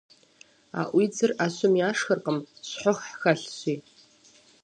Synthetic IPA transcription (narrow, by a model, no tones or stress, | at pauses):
a̰ʔʷid͡zɨraɕʷʊmjaːʂxərqʼəmɕħʷʊχħxaɬɕʷi